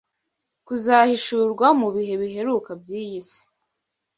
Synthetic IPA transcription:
kuzahiʃuɾɡwamuβiɦe̞βiɦe̞ɾukab̚ɟiːjisi̥

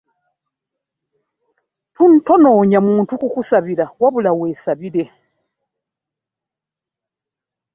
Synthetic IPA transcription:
tun̩tonoːɲamuːntukukusaβiɾawaβulaweːsaβiɾe

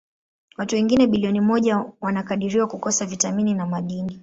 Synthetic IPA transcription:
watuwɛŋɡinɛɓiliɔnimɔʄawanakaɗiɾiwakukɔsavitamininamaɗini

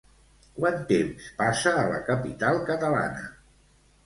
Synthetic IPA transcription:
kwant̪emspasəːlə̰kəpit̪alˠkət̪əla̰nə

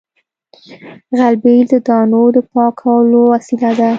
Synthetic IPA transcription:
ɣalbeld̪əd̪ɑnod̪əpɑkʰawəlowasilad̪a

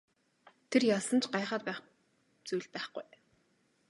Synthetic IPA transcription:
t̪ʰerjasə̆nt͡ɕʰɢajχaːt̪̚pæːχ | t͡sujɮpæːχɡuj

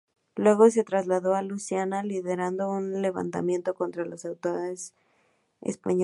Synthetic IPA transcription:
lwe̞ɣo̞s̬e̞t̪ɾazlaðo̞alusjanaliðe̞ɾand̪o̞unle̞βa̰nt̪a̰mjẽ̞nt̪o̞ko̞nt̪ɾalo̞sawt̪oɾes | ḛspaɲ

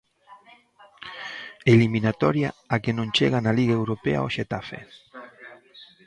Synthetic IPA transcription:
eliminat̪ɔɾjaakenõnt͡ʃeɣanaliɣaewɾopḛa̰oʃet̪afḛ

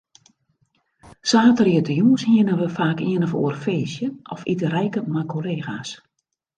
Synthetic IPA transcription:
saːtəriətəjuːshiənəʋəfaːkiənɔfṵːərfeːsjəɔfitərɛjkəmakʰoleːɣas

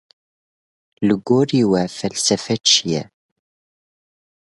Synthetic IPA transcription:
ləɡːʊɾiwæfælsæfæt͡ʃːjæ̰

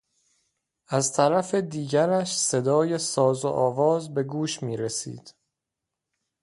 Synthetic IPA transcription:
ʔæzt̪ʰæɾæfe̞d̪iːɟæɾæʃse̞d̪ɒːje̞sɒːzo̰ʔɒːvɒːzbe̞ɡuːʃmiːɾesḭːd̪̥

